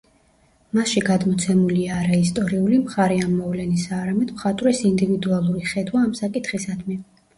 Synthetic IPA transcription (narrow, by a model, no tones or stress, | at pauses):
masʃiɡad̪mɔt̪sʰɛmuliaːɾaist̪ʼɔɾiulimχaɾɛamːɔvlɛnisaːɾamɛd̪mχat̪ʼwɾɛsind̪ivid̪ualˠuɾiχɛd̪waːmsakʼit̪ʰχisad̪mi